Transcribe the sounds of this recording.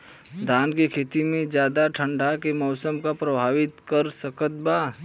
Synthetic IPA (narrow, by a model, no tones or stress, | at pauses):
d̪ʱaːnkekʰeːt̪imẽd͡ʒjaːd̪aʈʰə̃ɳɖʱakemɔːsəmkapɾɐbʱaːʋɪt̪kəɾsəkət̪̚baː